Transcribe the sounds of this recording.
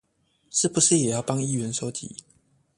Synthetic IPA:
ʂɻ̩˥˩pu˨˦ʂɻ̩˥˨jɛ˨˩jɑ˥˩ʊpɑ˥˦ŋi˥˨ɥɛ˨˦nʂo˥˦ʊt͡ɕḭ˨˦

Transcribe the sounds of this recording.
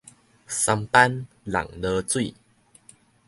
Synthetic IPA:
sa˧mpa˦n | la̰˨˩ŋlə˧t͡swi˥˨

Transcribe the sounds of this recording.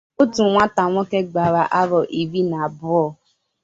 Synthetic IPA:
o˦tu˨ŋʷa˦ta˨ŋʷɔ˦ke˦ɡ͡ba˨ɾa˨ʔa˦ɾɔ˨ʔi˨ɾi˦na˨a˨bʊ˦ɔ˨

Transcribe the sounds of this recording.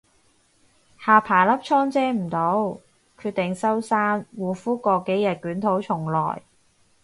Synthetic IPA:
haː˨pʰaː˨˩lɐ˥p̚t͡ʃʰɔː˥ŋt͡sɛː˥m̩˨˩t̪o˨˥w | kʰyː˧t̪̚ɪ˨ŋsɐ˥wsaː˥nwuː˨˩fuː˥kɔː˧ke˨˥jɐ˨t̚kyː˨˥nt̪ʰo˨˥wt͡ʃʰʊ˨˩ŋlɔ̰ː˨˩j

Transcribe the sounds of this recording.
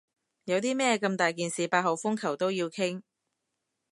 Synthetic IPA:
jɐ˨˧wt̪iː˥mɛː˥kɐ˧mt̪aː˨jk̬iː˨nsiː˨paː˧t̚ho˨˩wfʊ˥ŋkʰɐ˨˩wt̪o˥wjiː˧wkʰɪ˥ŋ

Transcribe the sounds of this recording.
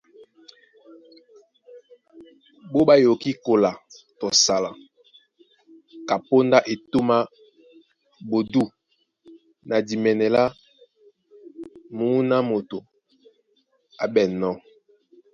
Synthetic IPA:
bo˦ba˦jo˨ki˦ko˨la˨tɔ˨sa˨la˨ | ka˨po˦nda˦ʔe˨to˦ma˦ | bo˨du˦ | na˨di˨mɛ˨nɛ˨la˦ | mu˨˦na˦mo˨to˨ | a˨bɛ˨nɔ˦

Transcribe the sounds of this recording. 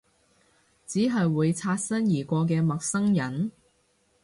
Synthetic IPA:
t͡siː˨˥ɦɐ˨jwuː˨˧jt͡sʰaː˧t̚sɐ˥njiː˨˩kʷɔː˧k̬ɛː˧mɐ˨k̚sɐ˥ŋjɐ˨˥n

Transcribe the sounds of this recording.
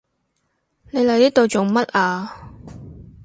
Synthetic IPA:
ne˨˧jlɐ˨jt̪iː˥t̪o˨˧wt͡ʃʊ˨ŋmɐ˥t̚ʔaː˧

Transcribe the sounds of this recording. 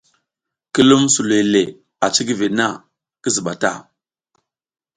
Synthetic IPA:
ki˦lu˦msu˨le˨le˨ | a˨t͡ʃi˦ɡi˦ve˨na˦˨ | ki˦zi˨ɓa˨ta̰˦˨

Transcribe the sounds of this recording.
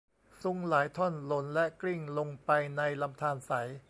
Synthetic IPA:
su˧ŋlaː˩˦jt̪ʰɔ˥˩nlo˩˦nlɛ˦˥kli˥˩ŋlo˧ŋpa˧jna˧jla˧mt̪ʰaː˧nsa˩˦j

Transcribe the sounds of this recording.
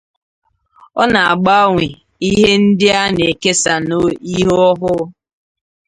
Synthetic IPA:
ɔ˦na˨a˨ɡ͡ba˦ŋʷe˨ | i˦ɦe˦n̩˦dɪ˦a˦ne˨ke˦sa˨no˦i˦ɦɔ˦ɦʊ˦

